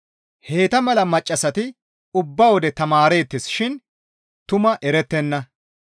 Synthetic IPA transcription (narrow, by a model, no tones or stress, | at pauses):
he̞ːt̪ɐmɐlɐmɐt͡ʃʼːɐsɐt̪ɪ | ʊbːɐwɔd̪ɛt̪ɐmaːɾe̞ːt̪ːɪsʃɪn | t̪ʊmɐʔɛɾɛt̪ːɛnːɐ